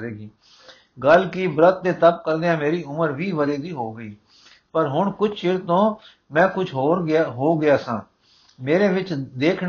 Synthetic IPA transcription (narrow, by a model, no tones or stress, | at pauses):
ɾeːɡiː | ɡəlkibɾət̪̚d̪eːt̪əp̚kəɾd̪eãːmeːɾiːʊməɾʋiːʋəɾeːd̪iːɦoːɡəiː | pəɾɦʊɳkʊt͡ʃʰt͡ʃɪɾt̪õː | mɛ̃ːkʊt͡ʃʰɦoːɾɦoːɡɪaːsãː | meːɾeːʋɪt͡ʃd̪eːkʰ